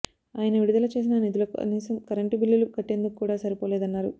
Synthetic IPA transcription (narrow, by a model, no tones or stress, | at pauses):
aːjɐnɐʋiɽud̪ɐlɐt͡ʃe̞ːs̬inɐnid̪ulɐkniːsɐmkɐɾɐɳʈibilːiluɡɐʈːe̞nd̪ukukːuːɽaːsɐɾipoːleːd̪ɐnːaːɾṵ